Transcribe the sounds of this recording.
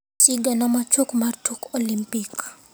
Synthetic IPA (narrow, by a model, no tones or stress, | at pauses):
t͡ʃiɡanamat͡ʃokmartokɔlimpik